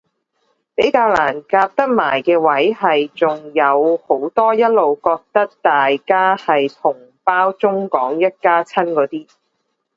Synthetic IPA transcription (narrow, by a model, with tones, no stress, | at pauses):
pe˨˥jkaː˧wlaː˨˩nkaː˧p̚t̪ɐ˥k̚ma̰ː˨˩jkɛː˧wɐ˨˥jhɐ˨jt͡sʊ˨ŋjɐ˨˧who˨˥wt̪ɔː˥jɐ˥t̚lo˨wkɔː˧k̚t̪ɐ˥k̚t̪aː˨jkaː˥hɐ˨jt̪ʰʊ˨˩ŋ | paː˥wt͡sʊ˥ŋkɔː˨˥ŋjɐ˥t̚kaː˥t͡sʰɐ˥nkɔː˨˥t̪iː˥